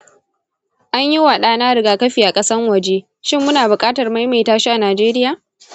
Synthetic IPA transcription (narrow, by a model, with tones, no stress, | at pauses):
ʔa˦ɲji˦waː˨ɗaː˦naː˦ɽɪ˨ɡaː˦kɐ˦ɸiː˨ʔa˨kʼɐ˦sɐ˦ŋwɐ˨d͡ʒe˦ | ʃɪ˦˨mːʊ˦naː˨bʊ˨kʼaː˦tɐ˨rma˦jma˨jtaː˦ʃi˦ʔa˨naː˨d͡ʒeː˦ɾɪ˦jaː˨